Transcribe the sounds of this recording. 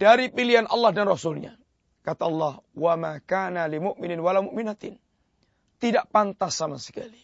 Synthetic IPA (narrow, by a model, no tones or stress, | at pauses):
d̥aɾipiliɦanʔɑlːɑhdanrɔsʊlɲa̰ | kat̪aʔɑlːɑhwamakanalimʊʔmɪnɪnwalawmʊʔminat̪ɪn | t̪idaʔpant̪asːamasə̥ka̰li